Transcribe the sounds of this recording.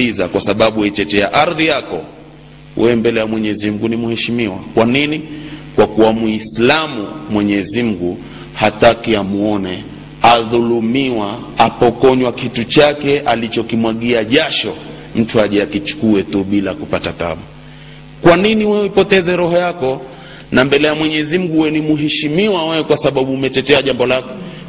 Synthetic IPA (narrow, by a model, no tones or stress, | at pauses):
izakwasaɓaɓuait͡ʃɛtɛaʔaɾðijakɔ | wɛɛmbɛlɛjamwɛɲɛzim̩ɡunimuhɛʃimiwakwaninikwakuwamuislamumwɛɲɛzim̩ɡu | hatakiamuɔnɛ | aðulumiwaapɔkɔɲwakitut͡ʃakɛʔalit͡ʃɔkimwaɠiaʄaʃɔ | m̩tuaʄɛakit͡ʃu̥kuɛtuɓilakupatata̰ɓu | kwaniniwɛipɔtɛzɛɾɔhɔjakɔ | nambɛlɛjamwɛɲɛzim̩ɡuwɛnimuɦɛʃimiwawɛɛkwasaɓaɓuːmɛtɛtɛaʄambɔlakɔ